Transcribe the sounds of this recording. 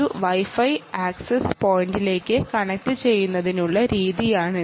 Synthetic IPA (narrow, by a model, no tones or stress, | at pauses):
uʋɐjfɐjaːksespoːjndile̞ːkːɨkɐɳɐk̚ʈɨt͡ɕe̞jːunːɐðinuɭːɐɾiːðijaːɳɨ